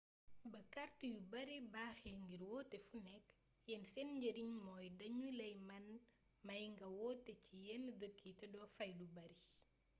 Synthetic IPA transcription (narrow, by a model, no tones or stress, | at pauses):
bɐkɐrtujubɐɾibaːxɛŋɡiɾwɔːtɛfunɛkː | jɛnsɛnɲɟɐɾiŋmɔːjdɐɲulɐjmɐn | mɐjŋɡɐwɔtːɛcijɛndəkːitɛdɔːfɐjlubɐɾi